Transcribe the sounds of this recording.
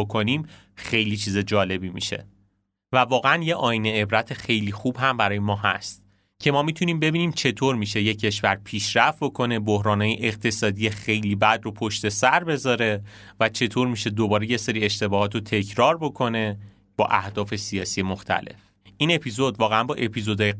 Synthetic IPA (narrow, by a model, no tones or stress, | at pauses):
okʰoniːm | xe̞jlit͡ʃʰiːzed͡ʒɒːle̞bimḭʃe̞̰ | vævɒːɣeænje̞ʔɒːineebɾæt̪ʰe̞xejliːxubɦæmbæɾɒːjemɒːɦæ̰st̪̚ | cʰe̞mɒːmit̪ʰuniːmbe̞biːniːmt͡ʃʰe̞t̪ʰoːɾmiːʃe̞jecʰːe̞ʃvæɾpʰiːʃɾæft̪̚bo̞kʰo̞ne̞bohɾɒːnhɒːjeʔeq̚t̪ʰe̞sɒːd̪ijexe̞jliːbæd̪ropʰoʃt̪e̞sæɾbe̞zɒːɾe̞ | væt͡ʃʰe̞t̪ʰo̞ːɾmiʃe̞d̪obɒːɾe̞je̞seɾiːeʃt̪e̞bɒːɦɒːt̪ot̪ʰe̞cʰɾɒːɾbo̞kʰo̞ne̞ | b̥ɒ̰ːʔæhd̪̥ɒːfe̞sijɒːsijemoxt̪ʰæ̰le̞̰f | ʔiːne̞pʰizo̞d̪vɒːɣeænbɒːʔe̞pʰizo̞d̪ɒːje